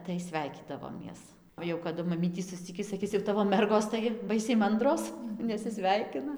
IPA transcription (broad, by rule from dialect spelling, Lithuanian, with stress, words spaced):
tɐɪ ˈsʲʋʲæɪkʲiːdɐʋoːmʲiɛs oː jɛʊ kɐˈdʊ mɐˈmʲiːtʲiː sʊsʲˈt͡sʲɪkʲiː sɐˈkʲɪs jɛʊ ˈtɑːʋoː ˈmʲɛrɡoːs tɐɪ ˈbɐɪsʲɛɪ ˈmɐndroːs nʲɛsʲɪˈsʲʋʲɛɪkʲɪnɐ